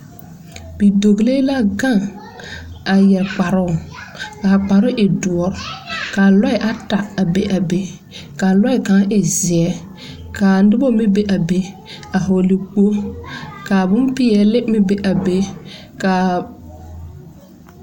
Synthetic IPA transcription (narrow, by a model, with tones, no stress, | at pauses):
bi˨do˨ɡle˦la˦ɡa˦˨ŋ | a˨jɛ˨ɾk͡pa˨ɾʊ˦˨ka˨k͡pa˨ɾʊ˦ʔɪ˨dʊ˨ɔ˨ɾkaː˨lɔ˦ɪ˨ʔa˦ta˨a˨be˦ʔa˨be˦ | kaː˨lɔ˦ɪ˨ka˨˦ʔɪ˨zɪ˨ɛ˦ | kaː˨˦dɪ˦bɔ˦mɪ˦be˦ʔa˨be˦ | a˨ɦo˨li˨k͡po˦ka˨bʊ˦mpɪ˦ɛ˨lɪ˦mɪ˦be˦ʔa˨be˦ | ka˨